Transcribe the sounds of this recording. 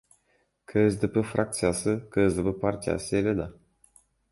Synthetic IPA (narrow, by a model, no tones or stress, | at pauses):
kʰəzʲd̪ɨpəfrak̚t̪sijasɨkəzʲd̪ɨpəpart̪ʲia̰sʲelʲed̪a